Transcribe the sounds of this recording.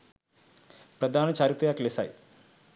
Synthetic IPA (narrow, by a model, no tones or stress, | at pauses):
pɾɐd̪ʱaːnɐt͡ɕaːɾut̪ɐjaːklesa̰j